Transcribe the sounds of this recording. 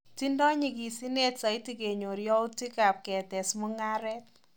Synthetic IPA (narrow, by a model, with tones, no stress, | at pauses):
ti˦ndɔ˦ɲi˨ki˨si˦ne˦tsa˨iti˦ke˨ɲo˨ɾjɔ˦ʊ˦ti˦ka˨p̚kɛ˨tɛ˨smɔ˦ŋa˦ɾɛ˦t̚